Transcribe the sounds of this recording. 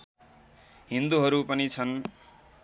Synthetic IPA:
ɦind̪uɦʌɾupʌnit͡sʰʌn

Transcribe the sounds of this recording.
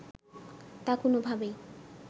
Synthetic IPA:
t̪akonobʱabe

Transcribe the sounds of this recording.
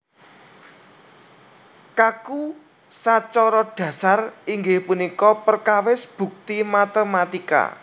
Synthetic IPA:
kaku | sat͡ʃɔɾɔɖ̥ä̤sariŋɡɪhpunikɔpərkawɪsb̥ṳk̚t̪imat̪əmat̪ika̰

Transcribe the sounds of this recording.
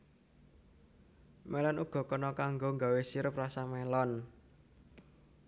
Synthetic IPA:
mɛlɔnuɡ̥ɔ̤kɔnɔkaŋɡoŋɡa̤wesiɾʊp̚rasamelɔn

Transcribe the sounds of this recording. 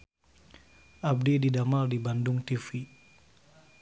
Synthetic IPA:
ʔab̚dididamaldibandʊŋt̪ifi

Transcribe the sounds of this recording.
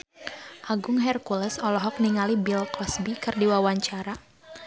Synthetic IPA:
ʔaɡʊŋɦɛrkulɛsɔlɔɦɔk̚niŋalibilkɔsbikɨrdiwawaɲt͡ʃaɾa

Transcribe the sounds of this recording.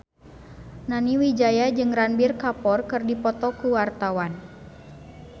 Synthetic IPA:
naniwid͡ʒajad͡ʒɨŋranbirkapɔrkɨrdipɔt̪ɔkuwart̪awan

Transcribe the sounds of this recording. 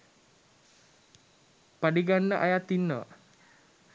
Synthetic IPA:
padiɡanəʔajat̪inə

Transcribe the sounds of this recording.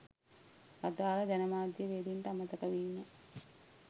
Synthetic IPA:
ɐd̪aːlɐd͡ʒɐnɐmaːd̪jɐʋeːd̪inʈ̪ɐmɐt̪ɐkɐʋiːnːɐ

